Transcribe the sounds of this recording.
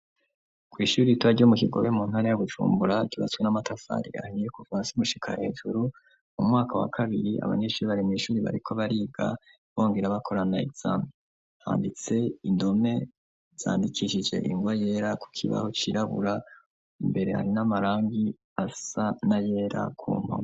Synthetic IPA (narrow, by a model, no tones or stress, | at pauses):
kwiːʃuːɾituβaɾɟo̞mukiɡo̞̰βe̞muːn̥haɾajaβut͡ʃṵːmbuɾakiβat͡swenamatʰafa̰ɾḭa̰hijekufãːnsiumuʃi̥kʰa̰he̞̰ːʒuɾu | mumŋaːkʰawa̰kʰaβiɾia̰βa̰ɲe̞ːʃuːɾiβaɾimiːʃuːɾiβa̰ɾikʰo̞βaɾiːɡa̰ | βo̞ːŋɡeɾaβakʰo̞ɾanaiz̥ami | ha̰ːndit͡se̞indo̞me̞ | z̥a̰ːndikʰiʃid͡ʒe̞̰ʔiŋɡwaje̞ːɾaku̥kʰḭβa̰hot͡ʃiɾaβṵɾa | imbe̞ɾe̞ha̰ɾinamaɾaːŋɡi | asanaje̞ːɾa̰kʰṵːm̥a̰